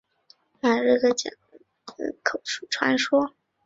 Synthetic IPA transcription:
na˥˩ʈ͡ʂɤ˥˩ɡə˩t͡ɕjɑ̰˨˩ŋ˧˩ | kʰo˨˩ʊʂu˥˩ʈ͡ʂʰwa˧˥nʂwɔ˥

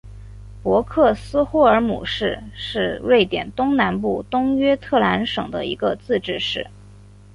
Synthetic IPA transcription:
pwɔ˧˥kʰɤ˥˩sɹ̩˥xu˥˩ə˞˧˥mṵ˨˩ʂɻ̩˥˧ʂɻ̩˥˧we˥˩ɪt̪jɛ̰˨˩nt̪ʊ˥ŋna˧˥npu˥˩t̪ʊ˥ŋɥɛ˥t̪ʰɤ˥˩la˧˥nʂɤ̰˨˩ŋd̪ə̰˦ḭ˧˥ɡə˧t͡sɹ̩˥˧ʈ͡ʂɻ̩˥˧ʂɻ̩˥˩

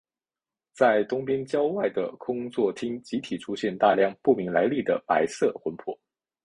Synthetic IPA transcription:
t͡sa˥˩ɪt̪ʊ˥ŋpjɛ˥nt͡ɕjɑ˥ʊwa˥˩ɪd̪ə˩kʰʊ˥ŋt͡swɔ˥˩t̪ʰi˥ŋt͡ɕi˧˥t̪ʰi˨˩ʈ͡ʂʰu˥ɕjɛ˥˧nt̪a˥˧ljɑ˥˧ŋpu˥˩mi˧˥ŋla˧˥ɪli˥˩d̪ə˩pa˧˥ɪsɤ˥˩xwə˧˥npʰwɔ̰˥˩˦

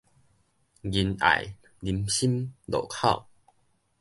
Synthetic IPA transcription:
ɡi˧na̰˨j | li˧mɕi˦mlo̰˨˩kʰa˥˨ʊw

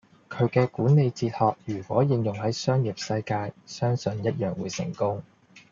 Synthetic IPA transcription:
kʰɵ˨˧ɥkɛː˧kuː˨˥nne˨˧jt͡siː˧t̚hɔː˨˧k̚jyː˨˩kwɔː˨˥jɪ˨˧ŋjʊ˨ŋhɐ˨˥jsœː˥ŋji˨˩p̚sɐ˧jkaː˧jsœː˥ŋsɵ˨˧njɐ˥t̚jœː˨ŋwuː˨˧jsɪ̰˨˩ŋkʊ˥ŋ

